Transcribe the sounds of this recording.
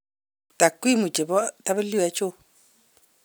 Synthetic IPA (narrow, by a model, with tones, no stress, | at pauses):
ta˨kwi˦mu˨t͡ʃe˨bɔ˦ta˦bə˦li˦ɛ˨˦t͡ʃʊ˦